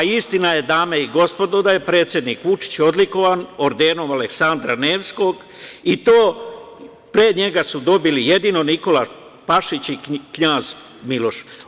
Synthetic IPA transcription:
aist̪inaje̞d̪aːmeiɡo̞spo̞d̪od̪aje̞pɾe̞ːt̪sʲje̞d̪niːkʋut͡ʃi̥t͡ɕo̞d̪liko̞ʋaːno̞ɾd̪eːno̞male̞ksand̪ɾane̞ːʋsko̞ɡ | it̪oː | pɾeɲe̞ɡasud̪o̞bilije̞d̪ino̞niko̞la | paʃit͡ɕikɲaːz | milo̞ʃ

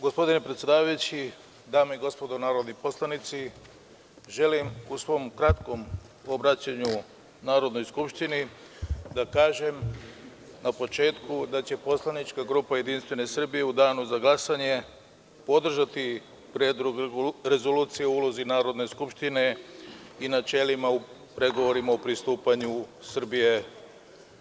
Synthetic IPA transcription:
ɡospo̞d̪inepɾet̪sjd̪aːʋajut͡ɕi | d̪aːmoiɡo̞spo̞d̪onaːɾod̪nipo̞slˠanit̪si | ʒe̞limusʋo̞mkɾat̪ko̞m | o̞bɾat͡ɕaɲu | naːɾo̞d̪no̞jskupʃt̪ini | d̪akaːʒe̞m | napo̞t͡ʃe̞ːt̪kud̪at͡ɕe̞po̞slanit͡ʃkaɡɾuːpajed̪inst̪ʋe̞ne̞sr̩bije̞ud̪aːnuzaɡlˠasaɲe̞ | po̞d̪r̩ʒat̪i | pɾed̪ɾuɡɾe̞zo̞luːt̪sijeoulo̞zinaːɾo̞d̪ne̞skupʃt̪ine̞ | inat͡ʃe̞limau | pɾe̞ɡo̞ʋo̞ɾimaopɾist̪uːpaɲusr̩bije̞

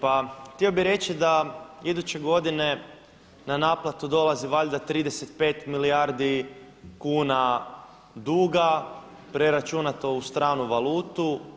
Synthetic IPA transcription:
paxt̪io̞biɾe̞t͡ɕid̪aid̪ut͡ɕe̞ɡo̞d̪ine̞ | nanaːplat̪ud̪o̞lˠaziʋaʎd̪at̪ɾiːd̪e̞set̪̚pe̞ːt̪milijaɾd̪i | kuːna | d̪uːɡa | pɾe̞ɾat͡ʃunat̪o̞ust̪ɾaːnuʋaluːt̪u

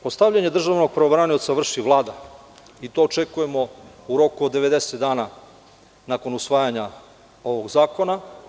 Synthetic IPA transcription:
post̪avʎaɲe̞d̪r̩ʒaʋno̞ɡ̚pɾeobɾanio̞t̪saʋr̩ʃiʋlˠaːd̪a | it̪o̞ːt͡ʃe̞kuje̞mo̞ | uɾo̞kuod̪ːe̞ʋe̞d̪e̞set̪d̪aːna | nako̞nusʋaːjaɲa | o̞ʋo̞ɡzaːko̞na

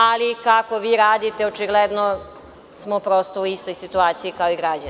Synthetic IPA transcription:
alikako̞ʋiːɾaːd̪it̪eot͡ʃiɡled̪no | smopɾost̪ouist̪o̞jsit̪uaːt̪sijikaoiɡɾad͡ʑan

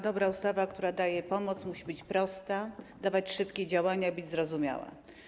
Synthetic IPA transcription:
d̪ɔbɾaust̪avakt̪uɾad̪ajɛpɔmɔt̪smuɕibɘt͡ɕpɾɔst̪ad̪avat͡ɕʂɘpkʲɛd͡ʑawaɲaibɘd͡ʑʲzɾɔzumʲja̰wa̰

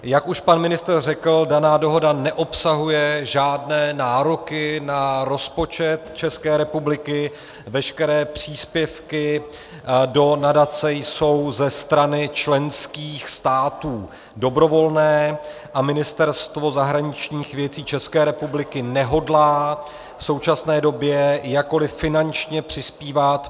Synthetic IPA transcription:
jakuʃpanmɪnɪst̪rrɛkl̩danaːdo̞ɦo̞danɛʔo̞psaɦujɛʒaːdnɛːnaːɾo̞kɪnaɾo̞spo̞t͡ʃɛt̪t͡ʃɛskɛːɾɛpublɪkɪ | vɛʃkɛɾɛːpr̝̥iːspjɛfkɪ | do̞nadat͡sɛjso̞wzɛst̪ɾanɪt͡ʃlɛnskiːxst̪aːt̪uː | do̞bɾo̞vo̞lnɛːʔamɪnɪst̪ɛɾst̪vo̞zaɦɾaɲɪt͡ʃɲiːxvjɛt͡siːt͡ʃɛskɛːɾɛpublɪkɪnɛɦo̞dlaː | fso̞wt͡ʃasnɛːdo̞bjɛjakːo̞lɪfɪnant͡ʃɲɛpr̝̥ɪspiːvat̪

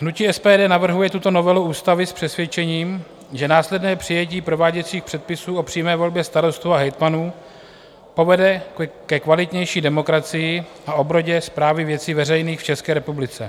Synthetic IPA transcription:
ɦnuciːɛspɛːdɛːnavr̩ɦujɛt̪ut̪o̞no̞vɛluuːst̪avɪspr̝̥ɛsvjɛt͡ʃɛɲiːm | ʒɛnaːslɛdnɛːpr̝̥ɪjɛciːpɾo̞vaːɟɛt͡siːxpr̥ɛt̪̚pɪsuːo̞pr̝̥iːmɛːvo̞lbjɛst̪aɾo̞st̪uaɦɛjt̪manuː | po̞vɛdɛkɛkvalɪt̪ɲɛjʃiːdɛmo̞kɾat͡sɪjɪʔaʔo̞bɾo̞ɟɛspɾaːvɪvjɛt͡siːvɛrɛjniːxft͡ʃɛskɛːɾɛpublɪt͡sɛ

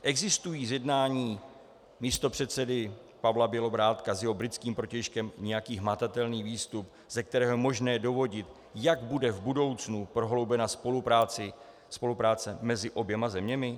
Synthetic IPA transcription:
ʔɛɡzɪst̪ujiːzjɛdnaːɲiː | miːst̪o̞pr̝̥ɛt̪t͡sɛdɪ | pavlabjɛlo̞bɾaːt̪kazjɛɦo̞bɾɪt͡skiːmpɾo̞cɛjʃkɛmɲɛjakiːɦmat̪at̪ɛlniːviːst̪up | zɛk̚t̪ɛɾɛːɦomo̞ʒnɛːjɛdo̞vo̞ɟɪt̪ | jaɡbudɛvbudo̞wt͡snupɾo̞ɦlo̞wbɛnaspoluɾat͡sɪ | spo̞lupɾaːt͡sɛmɛzɪʔo̞bjɛmazɛmɲɛmɪ

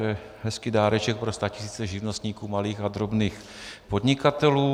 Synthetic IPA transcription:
ɛ | ɦɛskɪdaːɾɛt͡ʃɛk̚pɾo̞st̪acɪ̥siːt͡sɛʒɪvno̞st̪ɲiːkuːmaliːxad̪ɾo̞bniːx | po̞d̪ɲɪkat̪ɛluː

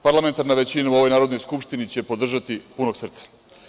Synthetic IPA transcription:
paɾlˠament̪aɾnaʋe̞t͡ɕinauo̞ʋo̞jnaːɾo̞d̪no̞jskupʃt̪init͡ɕe̞po̞d̪r̩ʒat̪ipuno̞ɡ̥sr̩t̪sḁ

